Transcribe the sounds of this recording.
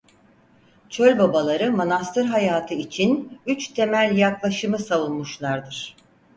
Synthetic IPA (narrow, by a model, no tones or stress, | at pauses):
t͡ʃʰø̞lʲbabalˠaɾɯmonast̪ʰɯɾɦajaːt̪ʰɯit͡ʃʰinyt͡ʃt̪ʰe̞mælʲjaklˠaʃɯmɯsavulˠmuʃlˠaɾd̪ɯɾ̥